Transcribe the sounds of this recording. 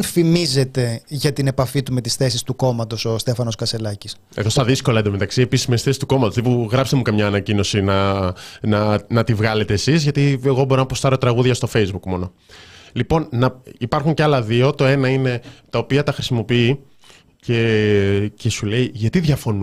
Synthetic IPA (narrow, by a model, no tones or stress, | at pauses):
fimize̞t̪e̞ʝɐt̪ine̞pɐfit̪umet̪i̥sθe̞sist̪uko̞mɐt̪o̞so̞st̪e̞fɐno̞skɐse̞lɐcis | ḛðost̪ɐðisko̞lɐed̪omet̪ɐksiepisimesθesi̥st̪uko̞mɐt̪oðepuɣɾɐpst̪emukɐmɲɐːnɐcino̞sinɐ | nɐnɐt̪ivɣɐle̞t̪eːsizʝɐt̪ieɣo̞bo̞ɾonɐpost̪ɐɾot̪ɾɐɣuðʝɐst̪o̞fe̞jzbukmo̞no̞ | lipo̞nnɐipɐɾxuɲceɐlɐðio̞t̪o̞e̞nɐine̞t̪ɐopiɐt̪ɐxɾisimo̞pii | ce̞ | ce̞sule̞iʝɐt̪iðʝɐfo̞nu